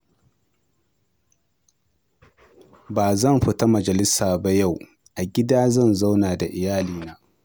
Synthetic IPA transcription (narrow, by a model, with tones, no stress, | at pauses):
baː˨zɐ˦˨mɸɪ˦ta˦mɐ˨d͡ʒɐ˨lɪ˦saː˨ba˦ja˦˨w | ʔa˨ɡʲɪ˦daː˦zɐ˦˨nza˦wnaː˨da˨ʔɪ˨jaː˦liː˨naː˦